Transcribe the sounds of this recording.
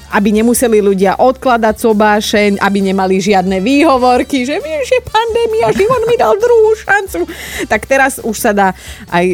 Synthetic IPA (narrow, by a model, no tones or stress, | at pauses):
ʔabiɲɛmusɛliluɟɪaʔɔt̪klad̪aɟzɔbaːʃɛɲʔa̰biɲɛmaliʒɪad̪nɛʋiːɦɔʋɔɾkiʒɛʋjɛmʒɛpand̪ɛːmiaʒiʋɔd̪mid̪ald̪ɾuɦuːʃant͡sut̪akt̪ɛɾazuʃsad̪aːaj